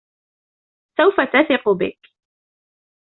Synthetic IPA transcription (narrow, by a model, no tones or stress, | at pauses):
sawfat̪aθɪqʊbɪ̰k